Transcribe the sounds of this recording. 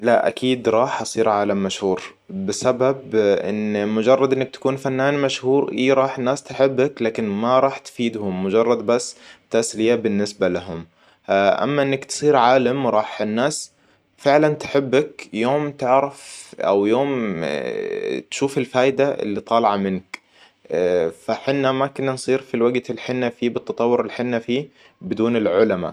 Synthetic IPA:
laʔʔa̰kʰiːd̪ɾˤɑːħʔɑsˤiːɾʕaːlamːaʃhuːɾ | bɪsababʔɪ̰nmʊd͡ʒɑrˤːɑd̪ʔɪnːɪkt̪ḁkuːnfanːaːnmaʃhuːɾʔiːɾˤɑːħɪnːaːst̪ɪħɪbːaklaːkɪnmaɾˤɑːħt̪fiːd̪hʊmːʊd͡ʒɑrˤːɑd̪̚basːt̪aslɪjabɪnːɪsbalaɦʊm | ʔa̰mːaʔɪnːakt̪sˤiːɾʕaːlamɾˤɑːħɪnːaːs | fɪʕlant̪ɪ̥ħɪbːakjoːmt̪ɪʕɾɑfʔa̰wjoːm | t̪ʃuːfɪlfaːjd̪aʔɪ̰lːit̪ˤɑːlɑʕɑmɪnk | faħɪnːamakʊnːansˤiːɾfilwaɡt̪ɪlħɪnːafiːbɨt̪ːɑt̪ˤɑwːʊɾɪlħɪnːafiː | bɪd̪uːnɪlʕʊlama̰

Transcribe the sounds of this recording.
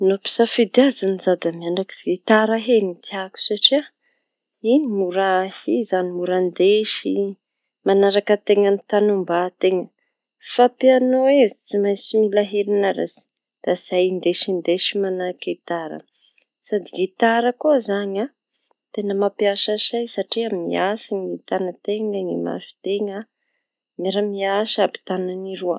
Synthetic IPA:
nopi̥safid̪iazanizad̪amiaɳɖ͡ʐaki̥z̥it̪aɾaɦenit̪iaku̥saʈ͡ʂia | inimuɾahizanimuɾand̪eʃi | manaɾakət̪eŋənit̪anumbat̪eŋə | fapianoezit͡simajt͡similaɦeɾinaɾa̰zi̥ | d̪̥az̥ajind̪eʃind̪eʃimanaɾakit̪aɾə̰ | sad̪iɡit̪aɾəkuzaɲa | t̪enəmapiaʃaʃajsaʈ͡ʂiamimḭasiŋit̪anət̪eŋaŋima̰ʃu̥t̪eŋa | maɾamiaʃapi̥t̪ananiɾuə̰

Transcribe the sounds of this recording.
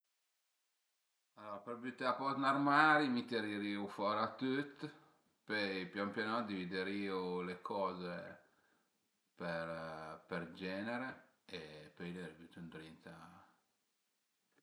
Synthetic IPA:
alɔːɾapeɾbjut̪aapɔt̪narmaɾimit̪eɾiɾiufɔɾat̪ut̪ː | pøjpjɔmpjanɔd̪ivid̪eɾiːulekʰɔːze | peɾperd͡ʒɛːneɾe | epøjleɾibut̪und̪ɾint̪a

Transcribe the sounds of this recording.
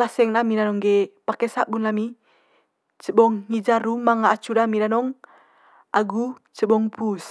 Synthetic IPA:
kasɛŋnamidanɔŋɡɛpakɛsaʔɡunlami | t͡ʃəbɔŋːid͡ʒaɾumaŋaːt͡ʃudamidanɔŋ | ʔaɡut͡ʃəbɔŋpus

